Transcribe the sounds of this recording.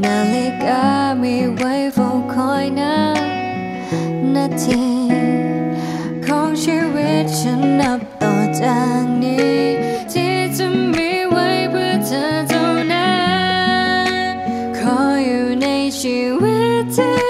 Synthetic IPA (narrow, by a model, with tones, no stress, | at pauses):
na˨˩li˧ka˧˦mi˧˩wa˧˥jfo˧wkʰɔ˧˥jna˦˥ | na˧t̪ʰi˧˩ | kʰɔ˧˥ŋsi˧we˦˧˥t̚t͡ʃə˧˥nːɐ˧˩p̚t̪ɔː˨˩t͡ɕa˧˩ŋni˧˦ | tʰi˧˥sɨ˧˥mmi˧˥wa˧˥jpʰɯ˧tʰə˧tʰo˧wna˦˥ | kʰɔ˧˥˦juː˨˩na˧jsi˨˩wi˦˥tʰː